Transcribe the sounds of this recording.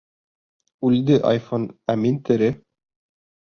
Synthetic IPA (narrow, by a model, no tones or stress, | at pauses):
ʉld̪ɘʔɑ̰jfonæmint̪ɘ̆ɾɘ